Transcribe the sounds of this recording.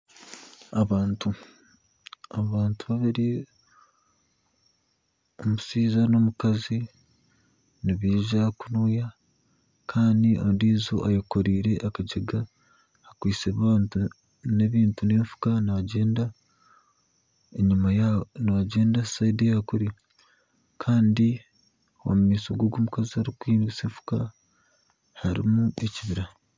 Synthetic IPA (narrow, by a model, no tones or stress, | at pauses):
aβaːntu | aβaːntuβaβiɾi | omusiːzano̞mukazi | niβiːʒakunuːja | kʰaːndiʔondiːzoʔajokoɾiːɾe̞ʔakaɟeɡaː | kwiːseβaaːntu | ne̞βiːntune̞ːɱfu̥kanaaɟe̞ːnda | eɲumajanaaɟe̞ːndasaidejakuɾi | kʰaːndi | o̰mumiːsoɡoɡoːmukaziaɾikiːnɡise̞ːɱfu̥ka | haɾḭmuʔeciβiɾa